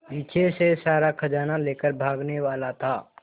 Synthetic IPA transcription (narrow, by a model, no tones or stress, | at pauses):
biːt͡ʃʰesesaːɾakʰɐd͡ʒaːnaleːkəɾbʱaːɡneʋaːlat̪ʰaː